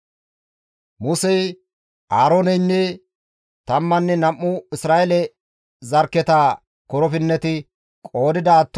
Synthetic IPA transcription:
mʊsɛj | ʔaːɾoːnɛjnːɛ | t̪ɐmːɐnːɛnɐmːʊɪsɾaːʔɛlɛ | zɐɾkːɛt̪aː | kɔɾɔfɪnːɛt̪ɪ | kʼo̞ːd̪ɪd̪ɐːt̪ː

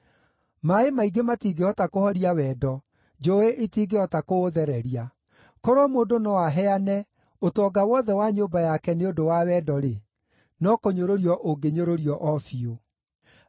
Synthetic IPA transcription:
maemaiɡematiɡeɔtakohɔɾiawɛːdɔ | d͡ʒoeʔetiɡeɔtakoːðɛɾɛɾia | kɔɾɔmoːndonɔwaɦɛanɛ | otɔɡawɔðɛwaɲoːbajakɛneodowawɛdɔɾe | nɔkoɲoɾoɾiɔʔoɡeɲoɾoɾiɔʔɔfio

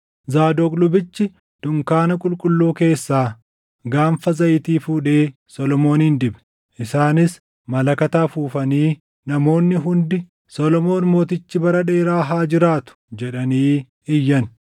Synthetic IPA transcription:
zaːd̪oːkʼlʊbɪt͡ʃːɪ | d̪̥ʊŋkaːnɐkʼʊlkʼʊlːuːke̞ːsːaː | ɡaːɱfɐzɐʔɪt̪iːfuːᶑeː | sɔlɔmo̞ːnind̪ɪbɛ̥ | ʔɪsaːnɪs | mɐlɐkɐt̪aːfuːfɐniː | nɐmo̞ːnːɪɦʊnd̪ɪ | sɔlɔmo̞ːnmo̞ːt̪ɪt͡ʃːɪbɐɾɐᶑe̞ːɾaːɦaːd͡ʒɪɾaːt̪ʊ̥d͡ʒɛᶑɐniː | ɪjːɐn

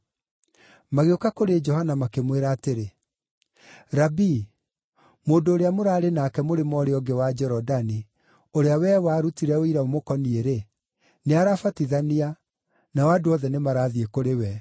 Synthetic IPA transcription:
maɣeokakoɾed͡ʒɔhanamakemweɾaːteɾe | ɾabi | moːndoːɾeamoɾaːɾenakɛmoɾemɔɾeɔɡewad͡ʒɛɾɔdani | oɾeawɛwaːɾutiɾɛoiɾaomokɔnieɾe | neaɾafatiðania | nawadoɔðɛnemaɾaːðiekoɾewɛ

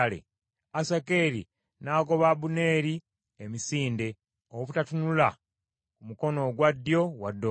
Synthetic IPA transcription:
lḛ | asakeːɾḭ | naːko̞βabune̞ːɾi | emisiːnde̞ | oβutatunula | kumuko̞no̞ɡwadːjo̞wadːo

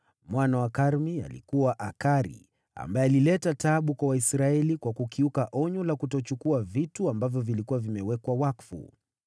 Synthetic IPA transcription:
mwanawakaɾmia̰lḭkuwaʔakaɾḭ | a̰mbaɛalilɛtataɓukwawaisɾaɛlikwakukiukaʔɔɲɔlakutɔt͡ʃukuavituambavjɔvilikuwavimɛwɛkwawakfṵ

